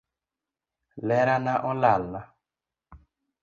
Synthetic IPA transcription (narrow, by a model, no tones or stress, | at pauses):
lɛɾanaʔɔlalːa